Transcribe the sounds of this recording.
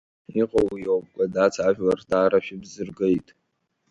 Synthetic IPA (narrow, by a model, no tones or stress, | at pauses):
iqʼowijowp̚ʼkʷʼadat͡sʰaʒᶣlardaːɾaʃᶣɪbzɨrɡejtʼ